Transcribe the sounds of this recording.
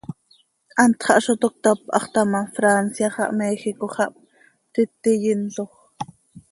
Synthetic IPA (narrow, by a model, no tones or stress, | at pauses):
ʔɑnt̪χɑʔʃot̪ok̚t̪ɑpʔɑ̰χt̪ɑmɑfɾansjɑχɑʔmɛːxikoχɑʔp | t̪ɪt̪ːijɪnɬoχ